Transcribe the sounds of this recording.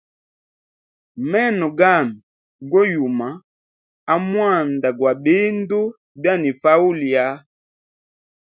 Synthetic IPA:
mɛ˦˨nɔ˨ɡa˦˨n˨ | ɡɔ˦ju˨ma˨˦ | a˨mwa˦˨nda˨ɡwa˨be˦n˦do˦ | bja˦ni˨fa˦u˦li˨a˦

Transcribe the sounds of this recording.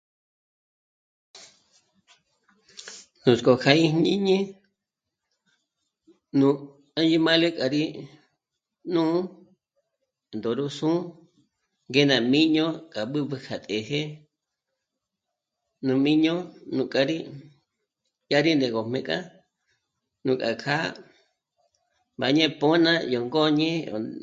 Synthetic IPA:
nũ˨skʼo˨kʰa˧ĩ˦ɲĩ˦ɲĩ˦ | nũ˨ | a˦d͡ʒi˦mã˦le˦kʼa˨ɾi˦ | nũ˦ | nd̪o˨ɾu˦sũ˦ | ŋɡe˦nã˨mĩ˦ɲõ˦kʼa˨ɓɨ˦βɨ˧kʰa˨t̪ʼe˨ɦe˦ | nũ˨mĩ˦ɲõ˦nũ˨kʼa˧ɾi˦ | ja˦ɾi˦nd̪e˨ɣo˨mẽ˧˨kʼa̰˦ | nũ˨kʼa˨kʰa˦ | ba˨ɲẽ˦po˦nã˦jo˨ŋɡo˦ɲẽ˦o̰˨

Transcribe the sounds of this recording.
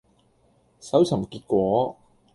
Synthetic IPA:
sɐ˨˥wt͡sʰɐ˨˩mkiː˧t̚kʷɔː˨˥

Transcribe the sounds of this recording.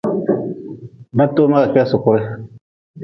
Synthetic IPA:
ba˦tːoː˦ma˦ka˨kɛ˦sʊ˨kʊ˦ɾɪ˦

